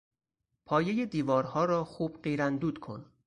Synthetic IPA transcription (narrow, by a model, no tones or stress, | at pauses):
pʰɒːje̞jed̪iːvɒːɾhɒːɾɒːxuːb̥ɢiːɾænd̪uːd̪̥kʰo̞̰n